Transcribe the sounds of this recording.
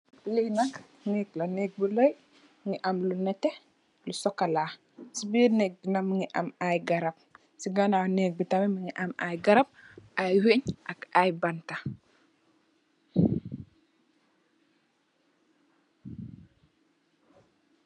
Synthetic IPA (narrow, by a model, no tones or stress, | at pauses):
lihnak | nɛklɐnɛːk̚bulɔj | ŋiʔamlunɛtɛ | lusɔkːalaː | sibiːɾnɛːk̚binamːiŋiʔa̰majɡaɾab̚ | siɡananɛk̚bitamɛmiŋiʔamajɡaɾap̚ʔajweɲʔakajbanta